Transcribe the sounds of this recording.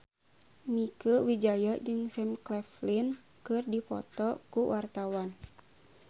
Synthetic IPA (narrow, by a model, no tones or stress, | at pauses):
mikəwid͡ʒajad͡ʒɨŋsɛmklɛflin | kɨrdipɔ̰t̪ɔkuwʔart̪awan